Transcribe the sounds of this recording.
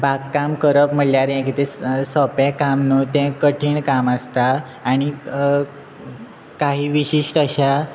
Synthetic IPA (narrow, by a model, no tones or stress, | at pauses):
bakkːamkəɾəpm̤əɽljaɾjãkit̪esəpɛ̃kamnut̪ɛ̃kəʈʰiːɳkaməst̪aː | ɽ̃i | kaɦiːʋiɕiʂʈəɕa